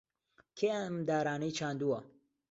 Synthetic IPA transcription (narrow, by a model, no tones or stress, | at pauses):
kʰeamd̪aːɾaːnɐjt͡ʃʰaːnd̪uɐ